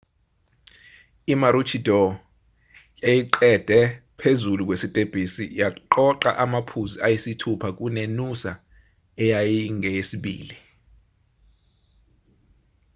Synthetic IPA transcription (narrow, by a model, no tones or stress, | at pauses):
imaɾut͡ʃʰid̥ʱɔ | jejiǃɛd̥ʱɛpʰezuluk̬ʼwesitʼeb̥ʱisijaǃɔǃa̰ʔamapʰuziajisitʰupʰak̬ʼunenusa̰ | ɛjajiŋɛjesiɓḭːli